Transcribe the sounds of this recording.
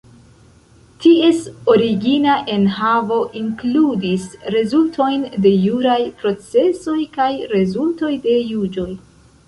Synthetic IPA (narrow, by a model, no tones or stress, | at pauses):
tie̞so̞ɾiɡinaʔe̞nhavo̞ʔiŋkludisɾe̞zultʰo̞jnde̞juɾajpɾo̞t͡se̞so̞jkajɾe̞zulto̞jde̞jud͡ʒo̞j